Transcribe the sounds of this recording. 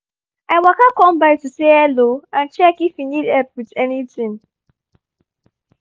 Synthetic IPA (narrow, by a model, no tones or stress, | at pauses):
aɪwakakɔ̃mbaɪtuseɛloãnt͡ʃɛkifinidɛp̚widɛnitĩŋ